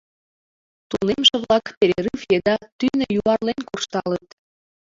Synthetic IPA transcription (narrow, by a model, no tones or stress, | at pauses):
t̪unemʒĕβlɑkpeɾeɾɯfjed̪ɑt̪ynejuɑrlenʲkurʃt̪ɑlət̪